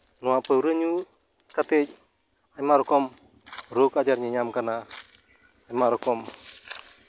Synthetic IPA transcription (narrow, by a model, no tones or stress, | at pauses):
nwapəwɾəɲu | katɪc̚ | ajmaɾkɔm | ɾokad͡ʒaɾɲiɲamkanaː | maɾɔkɔm